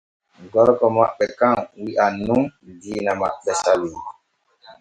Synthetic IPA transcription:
ɡɔɾkɔma̰ʔɓɛkaŋwiʔanuŋdiːnama̰ʔɓɛsali

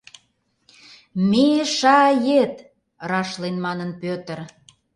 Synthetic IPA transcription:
meʃɑjet̪ | rɑʃlenmɑnənpøt̪ə̆r

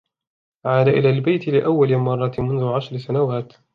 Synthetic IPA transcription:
ʕaːd̪aʔɪlaːlbajt̪ɪlɪʔawːalɪmɑrˤːɑt̪mʊnðʊʕaʃɾsanawaːt̪

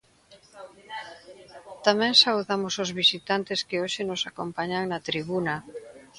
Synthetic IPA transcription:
t̪amɛ̃ŋsauðamʊsʊzβisit̪ant̪ɪskɪoʃɪnʊsakompaɲaŋnɐt̪ɾiβunɐ

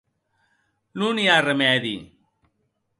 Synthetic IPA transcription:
nuniaremɛðḭ

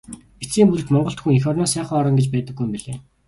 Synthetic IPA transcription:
ɡet͡siːmpuɮt̪mɔɴɢɞ̆ɬt̪xŭŋixɔrnɔːsæːχɔːɾɞ̆ŋɡet͡ɕpæːt̪ə̆ɡːujmpiɮeː

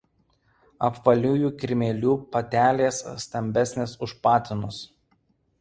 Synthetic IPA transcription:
ɐpʋɐlʲuːjuːkʲɾʲɪmʲeːlʲuːpɐt̪ʲæːlʲeːssːt̪ɐmʲbʲɛsʲnʲeːsʊʃpɑːt̪ʲɪnʊs

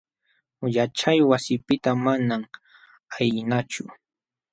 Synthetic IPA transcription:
jat͡ʃajwasɪpɪt̪amanam | ajɪnat͡ʃʊ

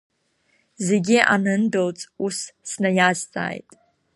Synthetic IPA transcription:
zeɡʲiʔanɨndolt͡sʼussnajazt͡sʼa̰ːjtʼ

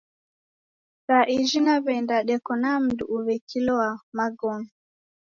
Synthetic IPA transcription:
ɾaʔiʒinaβɛndaɗɛkɔnam̩dṵʔuβɛkʰilɔwamaɡɔnɔ

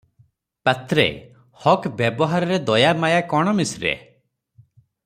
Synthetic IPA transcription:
pat̪ɾḛ | hɔkbjebɔɦaɾɔɾed̪ɔjamajakɔɽ̃ɔmisɾḛ

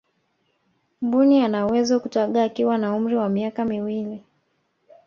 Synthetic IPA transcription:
mbunianawɛzɔkutaɠaːkiwanaum̩ɾiwamiakamiwili

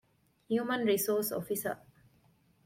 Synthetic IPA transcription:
hjumə̃nɹisɔsɔ̰fisə̰

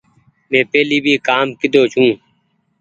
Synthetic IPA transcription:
mẽːpeːliːbʱiːkaːmkɪd̪oːt͡ʃʰũː

